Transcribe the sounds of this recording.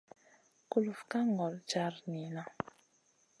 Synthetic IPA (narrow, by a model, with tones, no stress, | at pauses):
ku˦lu˨fka˦ŋɡɔ˨lt͡ʃa˦ɾni˨na˦